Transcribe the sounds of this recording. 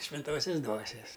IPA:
ʃʲʋʲɪnˈtoːsʲɛs ˈdʋuɔsʲɛs

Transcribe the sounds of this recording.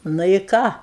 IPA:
ˈnʊ ɪ ˈkɑː

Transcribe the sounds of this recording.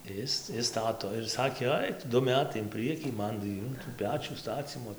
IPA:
ˈɪs ˈɪs ˈstɑːtoː ɪr ˈsɑːkʲeː ˈɐɪk tʊ ˈdʊ ˈmʲæːtɐɪ ɪn ˈprɨɛkʲiː ˈmɐn tɐɪ ˈjuː tuː ˈpʲæːt͡ʃʲuː ˈstɑːt͡sʲiːmoː

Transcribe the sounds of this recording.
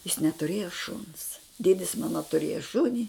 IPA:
jɪs nʲɛtʊˈrʲeːjoː ʃʊns ˈdʲeːdʲɪs ˈmɑːnɐ tʊˈrʲeːjɛ ˈʃʊnʲɪ

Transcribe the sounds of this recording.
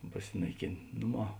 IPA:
pɐˈsʲɪnɐɪˌkʲeːnʲ ˈnʊˌmɑː

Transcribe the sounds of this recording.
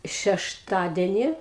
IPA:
ʃʲɛʃˈtɑːdʲɛnʲɪ

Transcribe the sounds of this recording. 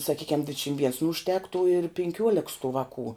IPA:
sɐˈkʲiːkʲɛm ˈdʲʋʲɪtʲʃʲɪm ʋʲiɛns nʊ ʊʃʲˈtʲæːktuː ɪr pʲɪŋʲˈkʲuɔlʲɛks tuː ˈʋɑːkuː

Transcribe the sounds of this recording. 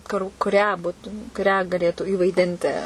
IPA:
kʊr kʊˈrʲæː ˈbʊtʊm kʊˈrʲæː ɡɐˈlʲeːtuː iːʋɐɪˈdʲɪnʲtʲɪ

